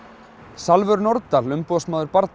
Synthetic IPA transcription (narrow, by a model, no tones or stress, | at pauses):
salvʏɾnɔɾt̪t̪alʏmpɔsmaːðʏɾpaɾt̪